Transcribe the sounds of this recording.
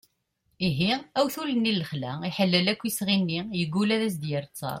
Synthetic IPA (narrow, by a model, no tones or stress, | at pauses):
iɦiæwθulənːiləχlæiħəlːəlækʷːisʁinːijəɡːulæðæs̬d̪jəɾt͡sːɑ̰ɾˤ